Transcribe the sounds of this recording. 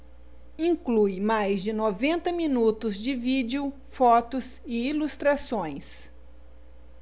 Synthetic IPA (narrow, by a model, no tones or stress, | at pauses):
ĩŋklujmajzd͡ʒɪnovẽnt̪ɐminut̪ʊzd͡ʒɪvid͡ʒeʊ | fɔt̪ʊs | ɪilust̪ɾasõj̃s